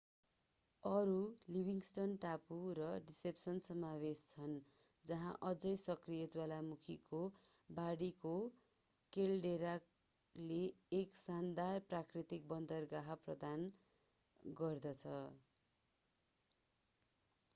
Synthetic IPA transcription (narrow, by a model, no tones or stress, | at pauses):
ʌɾulibʱiŋsʈʌnʈapurʌɖisepsʌnsʌmawest͡sʰʌn | d͡zʌɦã̰ʔʌd͡zʌjsʌkrijʌd͡zwalamukʰiko | baɽiko | kelɖeɾak | leːksand̪arprakrit̪ik̚bʌnd̪ʌrɡaɦaprʌd̪an | ɡʌrd̪ʌt͡sʰʌ